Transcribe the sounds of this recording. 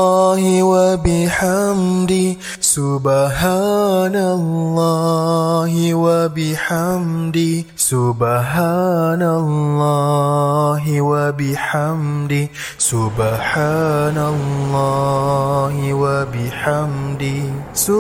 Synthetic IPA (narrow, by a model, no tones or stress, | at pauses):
ɦɪwabɪħamd̪ɪ | sʊbɦanalːɑ | ɦɪwabɪħamd̪ɪ | sʊbɦanalːɔ | ɦɪwabɪħamd̪ɪ | sʊbħaːnalllːɑ | ɦɪwabɪħamd̪ɪsʊ